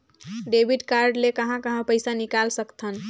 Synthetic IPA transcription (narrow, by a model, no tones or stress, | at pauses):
ɖebʱiɖkaɾɖlekəɦãkəɦãpəjsanikalsəkt̪ʰən